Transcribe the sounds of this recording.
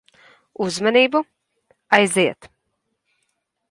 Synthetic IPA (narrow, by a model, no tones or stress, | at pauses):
uzmaniːbu | ajziɛt̪